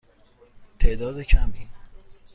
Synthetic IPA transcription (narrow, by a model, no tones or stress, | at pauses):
t̪ʰeʔd̪ɒːd̪ecʰæmiːn